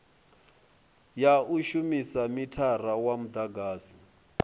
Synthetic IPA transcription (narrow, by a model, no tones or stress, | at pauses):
jauʃumisamitʰarawamud̪aɡaːzi